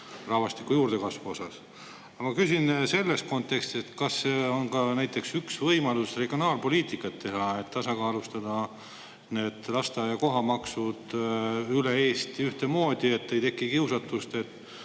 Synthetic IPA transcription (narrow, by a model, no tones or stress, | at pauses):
rɑvɑst̪i̥kːujuːrd̪e̞kɑsvuo̞sɑs | ɑmɑkysʲinse̞lːest̪̚ko̞nt̪ːˑe̞kst̪iset̪ːkɑsːeonkɑnæjt̪ːˑe̞ksyksvɤjmɑlusre̞ɡ̥io̞nɑːlpo̞liːt̪ˑikːˑɑt̪ːe̞ɦɑe̞t̪ːɑsɑkɑːlust̪ɑd̪̥ɑ | ne̞ːd̪̥lɑst̪ɑjɑko̞ɦɑmɑksud̪̥yleeːst̪iyht̪emo̞ːd̪̥ie̞t̪ːe̞jt̪e̞kːˑikiwsɑt̪ːˑust̪e̞t̪ːˑ